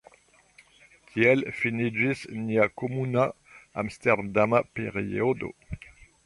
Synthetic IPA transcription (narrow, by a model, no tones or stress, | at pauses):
kʰiɛlfinid͡ʒisniakomuna | a̰mst̪ɛʁd̪amapḛʁiod̪o̰